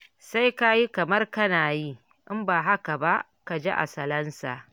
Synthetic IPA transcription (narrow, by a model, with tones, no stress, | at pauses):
sa˦jka˦ji˦kɐ˨mɐ˦rkɐ˦naː˨ji˦ | ʔɪ˦mbaː˨ɦa˦ka˨ba˦ʔ | ka˨d͡ʒe˦ʔa̰˨sɐ˨lɐ˦nsa̰ː˨